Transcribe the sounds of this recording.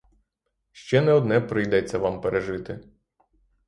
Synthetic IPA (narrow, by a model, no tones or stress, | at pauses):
ʃt͡ʃɛnɛɔd̪nɛpɾɪjd̪ɛt͡sʲːɐʋampeɾʔeʒɪt̪ɪ